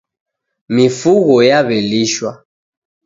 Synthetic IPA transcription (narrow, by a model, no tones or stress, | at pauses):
mifuɣɔjaβɛliʃwa